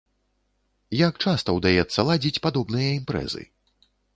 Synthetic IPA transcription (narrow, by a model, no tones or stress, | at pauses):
jak̚t͡ʂast̪ɐwd̪ajɛt̪sːɐlˠad͡zʲit͡sʲpad̪ɔbnɨjɐimpɾɛ̰zɨ̰